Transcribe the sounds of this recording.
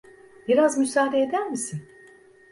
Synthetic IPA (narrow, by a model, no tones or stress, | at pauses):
biɾazmysaːd̪eed̪æɾmisin